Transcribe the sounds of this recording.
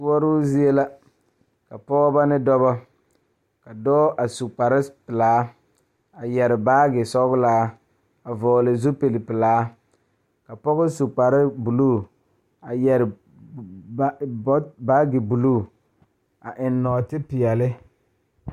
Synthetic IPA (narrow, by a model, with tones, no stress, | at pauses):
sʊ˦ɔ˦ɾʊ˦zi˦e˦la˦ | ka˨pɔ˦ɣɔ˦ba˦nɪ˦dɔ˦bɔ˦ | ka˨dɔː˦ʔa˨su˨k͡pa˨ɾɪ˦pɪ˨laː˦ | a˨jɛ˨ɾɪ˨baː˦ɡɪ˨sɔ˦ɡʊ˦laː˦ | a˨vɔː˨lɪ˨zu˦pe˨lɪ˨pɪ˨laː˨˦ | ka˨pɔ˦ɣɔ˦su˨k͡pa˨ɾɪ˦bu˨luː˦˨ | a˨jɛ˨ɾɪ˨˦ | bɔ˦baː˦ɡɪ˨bu˨luː˦˨ | a˨ʔɪ˨nː˦ɔː˨tɪ˦pɪ˨ɛ˨lɪ˦